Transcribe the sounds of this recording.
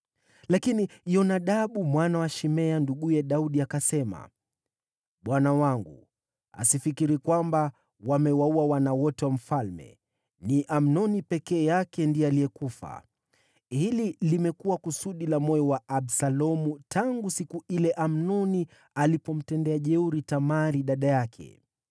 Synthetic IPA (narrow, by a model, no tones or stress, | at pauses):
lakinijɔnaɗaɓumwanawaʃimɛanduɠujɛɗauɗiakasɛma̰ | ɓwanawaŋɡṵ | a̰sifikiɾikwamba | wamɛwauwawanawɔtɛwam̩falmɛ̰ | niʔam̩nɔnipɛkɛːjakɛndijɔalijɛkufa̰ | hililimɛkuwakusuɗilamɔjɔwaʔaɓsalɔmutʰaŋɡusikuilɛʔam̩nɔni | alipɔm̩tɛndɛaʄɛuɾitamaɾiɗaɗajakʰɛ̰